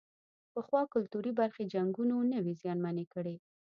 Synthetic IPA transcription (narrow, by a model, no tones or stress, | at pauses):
pəxwɑkʊlt̪uɾibaɾxed͡ʒaŋɡunonəwezjɑnmanekəɽe